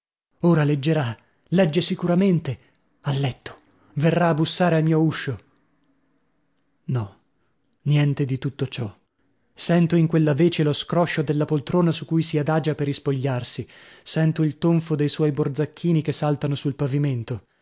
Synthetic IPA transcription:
oːɾaled͡ʒːeɾa | lɛd͡ʒːesikuɾament̪e | alːɛt̪ːo̥ | verːaːbːusːaːɾealmiːouʃːo | nɔ | njɛnt̪ed̪it̪ut̪ːot͡ʃɔ | sɛnt̪oiŋkwelːaveːt͡ʃeloskɾɔʃːod̪elːapolt̪ɾoːnasukujsiad̪aːd͡ʒaperːispoʎːarsisɛnt̪oilt̪oɱfod̪ejswɔjbord̪zakʰːiːnikesːalt̪anosulpaviment̪o

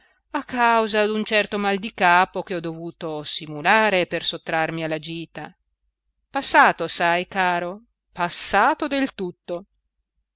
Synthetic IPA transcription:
akːawzad̪unt͡ʃɛrt̪omald̪ikaːpok̟eɔd̪ovuːt̪osimulaːɾepersot̪ːɾarmialːad͡ʒiːt̪a | pasːaːt̪osajkaːɾo | pasːaːt̪od̪elt̪ut̪ːo

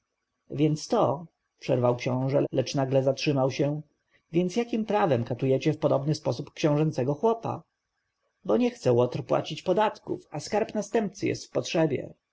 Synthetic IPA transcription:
vʲjɛnt̪st̪ɔ | pʂɛɾvawkɕɔ̃w̃ʐɛlɛt͡ʂnaɡlɛzatʂɘmawɕɛ | vʲjɛnt̪sjakʲimpɾavɛmkat̪ujɛt͡ɕɛfpɔd̪ɔbnɘspɔsupkɕɔ̃w̃ʐɛnt̪sɛɡɔxwɔpa̰ | bɔɲɛxt̪sɛwɔt̪ɾpwa̰t͡ɕit͡ɕpɔd̪at̪kṵfaskaɾpnast̪ɛmp̚t̪sɘjɛ̰st̪fpɔtʂɛbʲjɛ̰

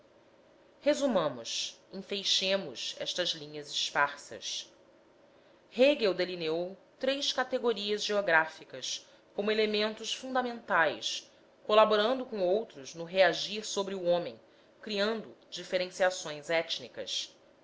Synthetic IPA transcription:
hezumɐ̃mʊ̰sĩfejʃẽmʊzɛ̰ʃt̪ɐzlĩɲɐziʃpaɾsɐ̰s | heɡewd̪elineowt̪ɾejʃkat̪eɡoɾiɐzʒeoɡɾafikɐs | kõmʊelemẽnt̪ʊsfũnd̪ɐmẽnt̪ajs | kolaboɾɐ̃nd̪ʊkõowt̪ɾʊznʊɦeaʒiɾsobɾɪuõmẽj̃ | kɾiɐ̃nd̪ʊd͡ʒifeɾẽsiasõj̃zɛt͡ʃnikɐ̰s

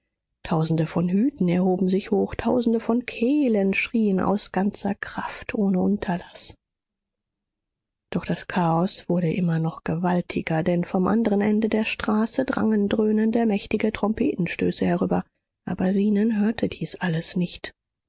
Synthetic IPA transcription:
tʰaʊzn̩dəfɔnhyːtn̩ɛɐɦoːbm̩zɪçhoːxtʰaʊzn̩dəfɔnkʰeːlənʃʁ̥iːənʔa̰ʊsɡ̥ant͡sɐkʁ̥aftʰʔoːnəʔʊntʰɐlas | d̥ɔχd̥askʰaːɔsv̥ʊɐɾəʔɪmɐnɔχɡ̥əvaltʰɪɡɐdɛnfɔmʔa̰ndəʁ̞ənʔɛndədeːɐʃtʁ̥aːsədʁa̰ŋəndʁøːnəndəmɛçtɪɡətʁ̥ɔmpʰeːtn̩ʃtø̰ːsəhɛʁyːbɐ | ʔaːbɐziːnənɦøːɐtʰəd̥iːsʔaləsnɪçt

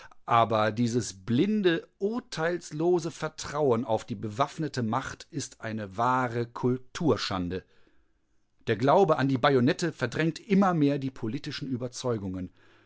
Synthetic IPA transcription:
ʔaːbɐdiːzəsb̥lɪndəʔʊɐtʰaɪlsloːzəfɛɐtʁ̥aʊənaʊfd̥iːbəvafnətəmaχtɪstʔaɪnəvaːʁəkʰʊltʰuːɐʃa̰ndə | d̥eːɐɡlaʊbəʔandiːbajonɛtəfɛɐdʁɛŋk̚tʔɪmɐmeːɐdiːpʰoliːtɪʃn̩ʔyːbɐt͡sɔʏɡʊŋən

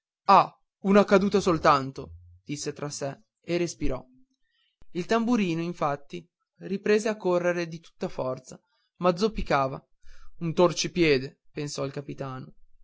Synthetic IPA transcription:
a | unakad̪uːt̪asolt̪ant̪o | d̪̥isːet̪ɾasɛ | erespiɾɔ | ilt̪ambuɾiːnoiɱfat̪ːi | ripɾeːzeakːorːeɾed̪it̪u̥t̪ːafɔrt̪sa | mad̪zopːikaːva | unt̪ort͡ʃipjɛːd̪epensɔilkapit̪aːno

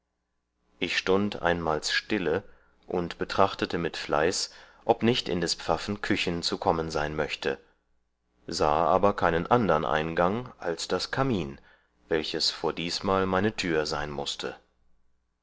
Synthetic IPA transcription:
ʔɪçʃtʊntʔa̰ɪnmaːlsʃtɪlə | ʔʊntb̥ətʁ̥aχtətəmɪtfla̰ɪs | ʔɔpnɪçtɪ̰ndɛspp͡fafn̩kʰʏçn̩t͡sukʰɔmənzaɪnmœçtʰə̰ | zaːʔaːbɐkʰaɪnənʔandɐənʔa̰ɪnɡaŋʔalsd̥askʰamiːn | vɛlçəsfoːɐdiːsmaːlmaɪnətʰyːɐzaɪnmʊstʰə

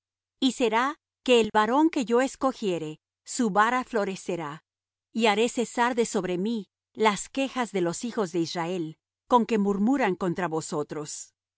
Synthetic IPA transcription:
ise̞ɾa | ke̞ːlβaɾo̞ŋke̞ʝo̞e̞sko̞xje̞ɾe̞ | suβaɾaflo̞ɾe̞se̞ɾa | iaɾe̞se̞saɾðe̞so̞βɾe̞mi | laske̞xazðe̞lo̞sixo̞zðe̞israe̞l | ko̞ŋke̞muɾmuɾaŋko̞nt̪ɾaβo̞so̞t̪ɾo̞s

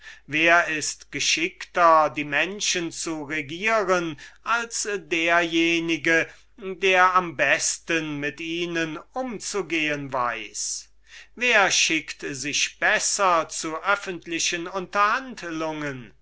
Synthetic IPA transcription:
veːɐɪstɡ̥əʃɪktɐdiːmɛnʃənt͡suʁeɡiːʁənʔalsdeːɐjeːnɪɡə | deːɐambɛstənmɪtiːnənʔʊmt͡suɡeːənva̰ɪs | veːɐʃɪktzɪʃb̥ɛsɐt͡suʔœfəntlɪʃənʊntɐhandlʊŋən

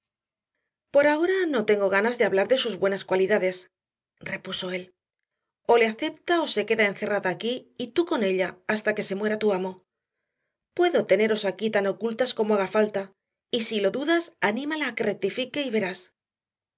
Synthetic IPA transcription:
po̞ɾao̞ɾano̞t̪e̞ŋɡo̞ɣ̞anazðeaβlaɾðe̞suzβwe̞naskwaliðaðe̞s | re̞puso̞e̞l | o̞le̞aθe̞p̚t̪ao̞se̞ke̞ðae̞nθe̞raðaːkiːt̪uko̞ne̞ʎaast̪ake̞se̞mwe̞ɾat̪uamo̞ | pwe̞ðo̞t̪e̞ne̞ɾo̞sakit̪ano̞kult̪asko̞moaɣafalt̪a | isilo̞ðuðasanĩmalaːke̞re̞k̚t̪ifike̞iβe̞ɾas

